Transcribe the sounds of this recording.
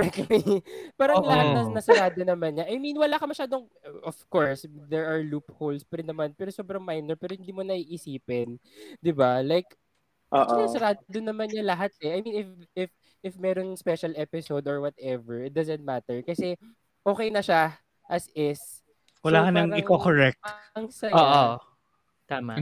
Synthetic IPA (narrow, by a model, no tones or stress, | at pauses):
pakɛpaːɾɐŋlɐhat̪nɐnɐsɐɾaːd̪onɐmanɲaʔɐjminwɐlaːkɐmɐʃaːd̪oŋ | ʔɔfkoɹsd̪ɛɹɐɹluphowlspɛɾɪnɐmanpɛːɾoso̞ːbɾɐŋmajnɛɹpɛːɾohɪnd̪iːmonɐiʔɪsiːpɪnd̪ɪbalajkː | ʔɐnsɐɾaːd̪od̪ʊnːɐmanɲɐlɐɦat̪̚ɛʔajminɪfɪf | ʔɪfmɛɾonspɛʃɐlɛpɪsowd̪oɹwɐt̪ɛvɛɹɪt̪̚d̪azɐ̃nt̪̚mat̪ɛɹkɐsɛ | ʔo̞ːkɛjnɐʃa | ʔɐsɪs | wɐlaːkɐnɐŋɪkokoɹɛk̚tɐŋsɐoʔo | t̪aːma